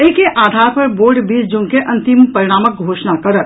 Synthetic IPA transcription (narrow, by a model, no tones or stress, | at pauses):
eːkeʔaːd̪ʱaːɾpɐɾboːɾɖbiːsd͡ʒuːnkeʔɐ̃nt̪ɪmpɐɾɪɽ̃aːmək̚ɡʱoːʃnakɐɾət̪